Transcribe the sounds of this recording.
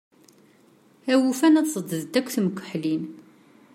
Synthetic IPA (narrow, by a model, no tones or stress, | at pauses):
æwufænæt̪sˤəd̪əðd̪ækʷːθməkʷːə̥ħlin